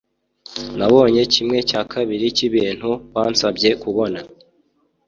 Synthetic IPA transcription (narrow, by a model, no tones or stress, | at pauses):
naβo̞ːɲe̞cimŋe̞caːkʰaβiɾiciβiːn̥huβaːnsabɟe̞kuβo̞na